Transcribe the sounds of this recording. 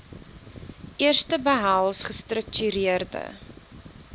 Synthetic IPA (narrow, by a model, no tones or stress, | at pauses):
ʔiərstəbəɦɐlˠsχəstrək̚tyɾiərdə̰